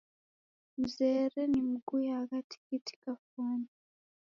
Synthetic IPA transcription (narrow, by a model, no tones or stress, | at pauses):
muzeːɾenimuɡujahaɡatʰi̥kitʰi̥kafuːni